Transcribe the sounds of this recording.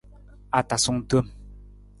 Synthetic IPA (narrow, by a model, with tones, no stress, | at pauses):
a˦ta˨sʊ˦ŋ˦tə˦˨m